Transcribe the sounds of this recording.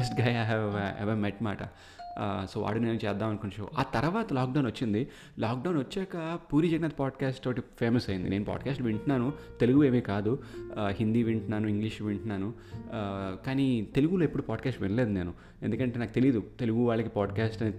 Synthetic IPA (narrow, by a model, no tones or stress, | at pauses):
sʈɡaːjajɦɛʋḛʋɐmeʈma̰ːʈɐ̰ | soːʋa̰ːɽune̞ːnut͡ʃɛːd̪ːaːmɐnkunt͡ʃo̰ːʔaːt̪ɐɾʋaːt̪ɐlaːkɖɐwnʋɐt͡ʃːind̪i | laːk̚ɖɐwnʋɐt͡ʃːɛːkɐpuːɾid͡ʒɐɡɐnaːt̪ɐpaːɖkaːsʈt̪oʈːipʰeːmɐsɐjind̪ḭneːnupa̰ːɖkaːsʈʋiɳʈnaːnut̪e̞luɡue̞ːmiːkaːd̪uɦind̪iʋiɳʈnaːnuiŋɡliʂʋiɳʈnaːnu | kaːnit̪e̞luɡuloːepːuɽupaːɖkaːsʈʋenɐleːd̪une̞ːnu | end̪ukɐɳʈenaːkut̪e̞liːd̪ut̪e̞luɡuʋaːɭːɐkipaːɖkaːsʈɐneː